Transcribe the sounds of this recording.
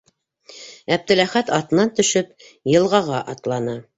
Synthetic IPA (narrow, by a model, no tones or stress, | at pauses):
æb̚t̪ɘ̆læχæt̪ɑt̪ɤ̆nɑnt̪ɵ̆ʃɵp | jɤ̆lˠʁɑʁɑʔɑt̪lˠɑnɤ